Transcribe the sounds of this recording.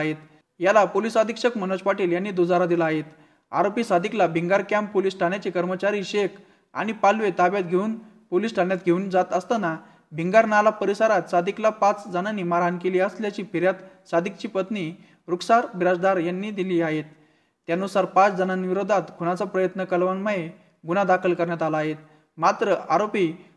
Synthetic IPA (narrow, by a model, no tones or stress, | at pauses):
ɦet̪ | jalapolisad̪ʱikɕəkmənoɕpaʈiːljanːiːd̪od͡zaɾad̪ilaːɦet̪ | a̰ɾopisad̪ʱiklabʱiŋɡaɾkamppolisʈʰãjat͡ɕiːkəɾmət͡ɕaɾiɕek | a̰ñipalʋet̪abjat̪̚ɡʱeuːn | polisʈʰajat̪ɡʱeuːnd͡zat̪əst̪ana | bʱiŋɡaɾnalapəɾisaɾat̪sad̪ʱiklapat͡sd͡zənanːimaɾankeliːəsljat͡ɕiːpiɾjat̪sad̪ʱikt͡ɕiːpət̪ni | ɾuksaɾʋiɾad͡zd̪aɾjanːiːd̪iliːaɦet̪ː | janusaɾpat͡sd͡zʱənanʋiɾod̪ʱat̪ɡʱunat͡sapɾəjət̪nəkəlʋanməɦe | ɡunad̪akʰəlkəɾɳjat̪alaːɦet̪ | mat̪ɾəaɾopi